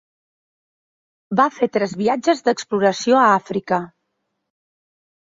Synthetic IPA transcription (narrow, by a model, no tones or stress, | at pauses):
bafet̪ɾɛzβiad͡ʒəzd̪əkspluɾəsioəafɾikə